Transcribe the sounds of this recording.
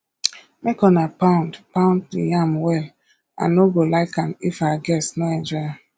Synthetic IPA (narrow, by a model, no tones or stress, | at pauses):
mekɔ̃napãʊ̃ndpãʊ̃nddijãmwɛl | ã̰nːoɡolaɪkãmifaɡɛsnoɛ̃nd͡ʒɹɔãm